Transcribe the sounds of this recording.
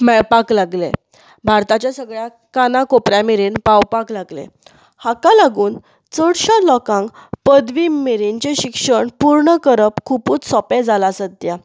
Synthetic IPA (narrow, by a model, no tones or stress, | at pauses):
mɛɭpaklaɡlḛ | bʱaɾt̪at͡ɕjasəɡɭja | kanakopɾjamiɾiːnpawpaklaɡlḛ | hakalaɡuːn | t͡səɽɕalɔkãŋkpəd̪ʋimeɾiɲt͡ɕeɕikʂəɳpuɾɳəkəɾəpkʰupuːt͡ssɔped͡zalasəd̪ːja